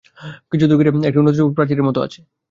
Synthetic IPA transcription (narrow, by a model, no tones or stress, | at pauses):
kit͡ɕʰud̪uɡiɾeek̚ʈiunːot̪uokpɾaɾt̪id̪eɾmɔt̪oa̰t͡ɕʰe̥